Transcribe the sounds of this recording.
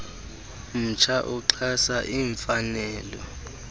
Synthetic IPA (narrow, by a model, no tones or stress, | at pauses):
m̩t͡ʃʰaʔuǃʰasaʔiːɱfanɛːlɔ